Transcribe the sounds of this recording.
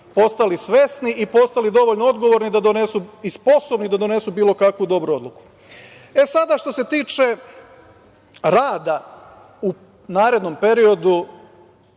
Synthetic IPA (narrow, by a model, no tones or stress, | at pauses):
po̞st̪alisʋe̞sniʔipo̞st̪alid̪o̞ʋo̞ʎnoo̞d̪ɡo̞ʋo̞ɾnid̪ad̪o̞ne̞suispo̞so̞bnid̪ad̪o̞ne̞subiːlo̞kakʋud̪o̞bɾuo̞d̪lˠuku̥ | e̞sad̪aʃt̪o̞se̞t̪iːt͡ʃe̞ | ɾaːd̪a | u | naːɾe̞d̪no̞mpe̞ɾio̞d̪u